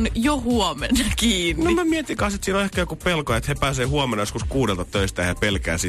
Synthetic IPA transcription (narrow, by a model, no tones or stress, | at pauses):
njohuomenɑkiːnnomæmiet̪iŋkɑset̪siːnoehkæːjokuppelkojɑet̪hepæːseːhuɑmenɑjoskuskuːdelt̪ɑt̪øist̪æjjæpelkæ̰ːsi